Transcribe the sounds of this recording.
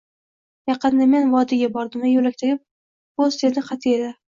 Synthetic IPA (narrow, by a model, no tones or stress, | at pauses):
jɑqɨnd̪ame̞nvɒd̪ɪɡʲabɒɾd̪ɪmɪjolak̚ʲt̪ʰɪɾʲɪp̚ | bozd̪e̞d̪ɪqʰɑt̪ʰɪed̪ɪ